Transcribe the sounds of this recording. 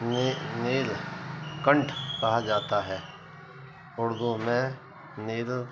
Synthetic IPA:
neːlkə̃ɳʈʰkɐɦad͡ʒaːt̪aɦɛː | ʊɽd̪umɛ̃ | neːl

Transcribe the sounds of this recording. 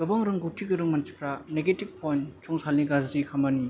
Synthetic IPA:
ɡ̥ɯbaŋɾɯŋɡutʰiɡɯɾɯŋmant͡ʃi̥kʰɾaneɡetib̚pʰɔjnt͡ʃʰɔŋsalniɡazzikʰamani

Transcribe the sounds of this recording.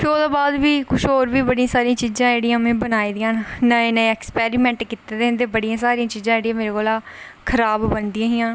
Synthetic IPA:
pʰɪɾod̪oːbaːd̪ʋiːkʊʃoːɾʋiːbəɽijãːsaːɾĩãːt͡ʃiːzãːeːɽijãːmẽːbənaːiːd̪ɪjãːnnãenẽɛːkspɛːɾimɛ̃ːɳʈkit̪eːd̪ẽːnd̪eːbəɽijãːsaːɾijãːt͡ʃiːzãːeːɽijãːmeːɾeːkoːlaːkʰəɾaːbbənd̪ɪĩjãːɦijãː

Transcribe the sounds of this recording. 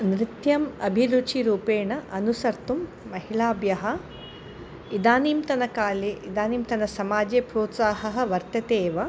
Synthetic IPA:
nɾit̪jɐmɐ̰bʱilut͡ʃiɾuːpeːɳɐʔɐnusɐɾt̪umː | ɐɦiɭaːbjɐɦɐ | id̪aːniːmt̪ɐnɐkaːleːʔid̪aːniːmt̪ɐnɐsɐmaːd͡ʒeːpɾoːt̪saːɦɐɦɐ̆ʋɐɾt̪ɐt̪eːʋɐ

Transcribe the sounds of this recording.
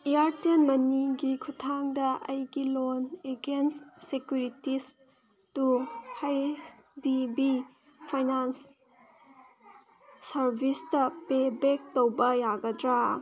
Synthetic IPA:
ijaɾtenmɐniɡikʰutʰaŋdɐʔɐjɡiloneɡensːekjuɾitis | tuhajsdibi | pʰajnans | ɐɾbʱistɐpebek̚towbɐjaɡɐdɾa

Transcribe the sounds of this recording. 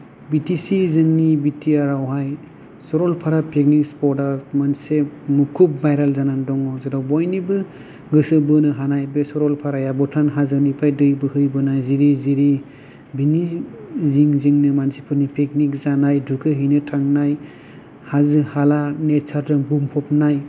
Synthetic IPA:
bitisizɯŋnibitʰiaɾawɦaj | sɔɾɔlpʰaɾapʰek̚nikspɔɾdaɾmansemukʰup̚bajɾalzanandɔŋɔzedawbɔjnibɯ | ɡɯsɯbɯnɯɦanajbesɔɾɔlpʰaɾajabɔtʰanɦazɯnipʰajdɯjbɯhɯjbɯnajziɾiziɾi | biniziŋziŋnɯmansipʰɯnipʰek̚nik̚zanajdukʰɯɦinɯtʰaŋnaj | hazɯhalanet͡ʃʰaɾdɯŋbumpʰɔpnaj

